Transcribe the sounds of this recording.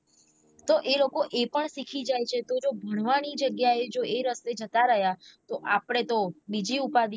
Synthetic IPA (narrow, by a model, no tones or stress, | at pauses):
t̪oʔelokoʔepəɳsikʰid͡ʒajt͡ʃʰet̪od͡ʒobʱəɽ̃ʋañid͡ʒəɡjaed͡ʒoeɾəst̪ed͡ʒət̪aɾəɦjat̪oʔapɽ̃et̪obid͡ʒiupad̪i